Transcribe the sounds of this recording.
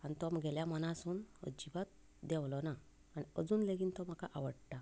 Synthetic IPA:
anit̪ɔmɡɛljamənasuːnə̰d͡ʑibat̪̚ | d̪ɛwlɔnaː | niəd͡zuːnleɡint̪ɔm̤akaʔaʋəɽʈ̪a

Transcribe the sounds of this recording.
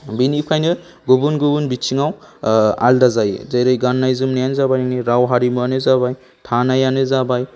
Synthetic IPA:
binipʰajnɯ | ɡubunɡubunbit͡ʃʰiŋaw | a̰ldazajzajɾɯjɡanːajzɯmnijanzabajnniɾawɦaɾimɯanɯzabaj | tʰanajanɯzabaj

